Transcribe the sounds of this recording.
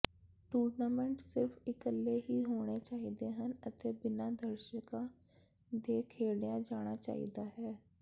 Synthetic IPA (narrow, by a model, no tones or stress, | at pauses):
ʈuːɾnaːmɛ̃ɳʈsɪɾfɪkəlːeːɦiːɦoːɽ̃eːt͡ʃaːid̪eːɦənət̪eːbɪnaːd̪əɾʃəkãː | d̪eːkʰeːɽjãːd͡ʒaːɽ̃aːt͡ʃa̰ːḭd̪aːɦɛː